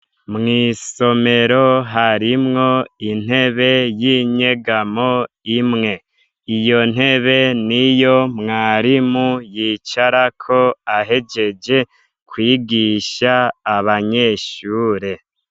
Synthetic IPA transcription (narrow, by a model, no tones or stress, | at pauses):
mŋiːso̞me̞ɾo̞ɦaɾimŋo̞in̥he̞βe̞jiɲe̞ɡamo̞ | imŋe̞ | ijo̞n̥e̞βe̞nijo̞mŋaːɾimujiːt͡ʃaɾakʰo̞aɦe̞d͡ʒe̞d͡ʒe̞ | kwiːɡiʃaːβaɲe̞ːʃuːɾe̞